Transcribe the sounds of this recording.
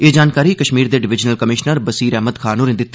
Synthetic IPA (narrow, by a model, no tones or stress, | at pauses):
eːd͡ʒaːnkaːɾiːkəʃmiːɾd̪eːɖɪʋɪd͡ʒnəlkəmɪʃnəɾbəsiːɾɛːɦməd̪kʰaːnuːɾɪ̃nd̪ɪt̪ːa